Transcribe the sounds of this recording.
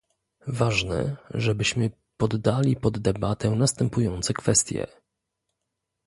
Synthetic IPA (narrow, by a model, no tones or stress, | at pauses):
vaʐnɛ̰ʐɛbɘɕmɘ | pɔd̪ːalʲipɔd̪ːɛbat̪ɛnast̪ɛmpujɔnt̪sɛkfɛst̪ʲjɛ̰